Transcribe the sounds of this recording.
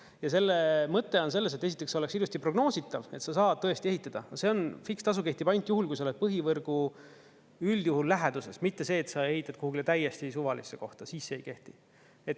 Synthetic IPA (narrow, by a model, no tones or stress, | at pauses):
jɑse̞lːemɤt̪ːe̞o̞ns̬e̞lːes̬et̪ːeit̪ːˑeksoleksilust̪ipro̞ɡno̞ːsit̪ːˑɑve̞t̪sɑsɑːt̪ɤest̪ie̞ɦit̪ːˑɑd̪̥ɑɑse̞o̞nfikst̪ɑsuke̞ht̪ipɑnʲt̪ˑjuɦulkujso̞led̥̪̚pɤɦivɤrɡ̥u | yljuhulːæɦed̪̥use̞smit̪ːe̞se̞ːt̪sɑe̞ɦit̪ːˑɑd̪̥̚kuhukilet̪æjːest̪isuvɑlḭsːeko̞ht̪ɑsiːsːeejke̞ht̪i | e̞t̪ː